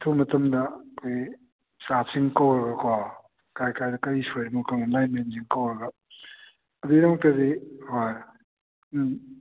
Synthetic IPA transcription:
tʰumɐtɐmdɐkʰoj | sasiŋkɐwɾɐɡɐkʰa | kajkajdɐkɐɾisojɾɐmukɐŋɐmajmenziŋkɐwɾɐɡɐ | ɐdudɐmɐk̚tɐzihoj

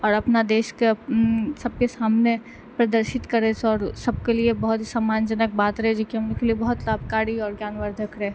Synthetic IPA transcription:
ɔːɾɐpnad̪eːʃkesɐb̚kesaːmne | pɾɐd̪əɾʃɪt̪kɐɾesɔːɾsɐb̚keliebɐɦʊt̪ɦisaːmaːnd͡ʒənək̚baːt̪ɾɐɦɛd͡ʒoːkiɦɐmnekeliebɐɦʊt̪laːbʱkaːɽiɔːɾɡjaːnʋəɾd̪ʱəkɾɛː

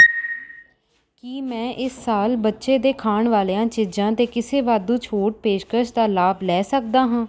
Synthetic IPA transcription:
kiːmɛ̃ːʔɪsːaːlbətːʃeːd̪eːkʰaːɳʋaːleːãːt͡ʃɪd͡ʒãːt̪eːkɪseːʋaːd̪ũːt͡ʃʰoːʈ̚peːʃkəʃd̪aːlaːblɛːsək̚d̪aːɦãː

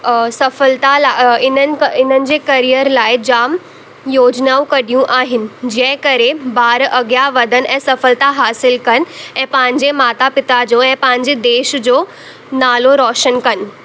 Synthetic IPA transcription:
sɐfəlt̪alaɪnənɪ̆ɪn̤ənɪ̆d͡ʑeːkɐɾijəɾlaːɪd͡ʑaːm | joːd͡ʑnaːũkɐɽijũʔaːɦɪnɪ̆d͡ʑɐ̃ɦɪ̃kɐɾebaːɾʔɐɡjaʋɐd̪ʱənɛ̃ːsɐfəlt̪aɦaːsɪlkɐnɪ̆ɛ̃ːpɐ̃ɦɪ̃ɲd͡ʑemaːt̪apɪt̪ad͡ʑoːɛ̃ːpɐ̃ɦɪ̃ɲd͡ʑed̪eːʃd͡ʑoː | naːloɾɔːʃənkɐnɪ̆

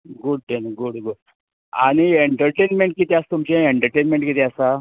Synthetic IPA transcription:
ɡuɽ̚ʈenɡuɽɡuɽ | a̰ɽ̃ieɳʈəɾʈenmẽɳʈ̚kit̪iast̪umt͡ɕeeɳʈəɾʈenmẽɳʈkit̪iasa

